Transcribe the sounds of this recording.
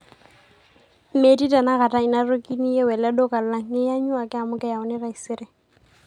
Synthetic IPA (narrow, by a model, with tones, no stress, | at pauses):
me˨ti˦ta˨na˦ɣa˨ta˦ɪ˨na˦ɾo˦ki˦ni˦jɛ˦wɛ˨lɛ˦do˦ka˨lla˦ŋ˦ɪ˦ja˦ɲʊ˦a˨kɪ˦a˨mʊ˦kɛ˦ja˨ʊ˦nɪ˦ɾa˨i˨sɪ˦ɾɛ˨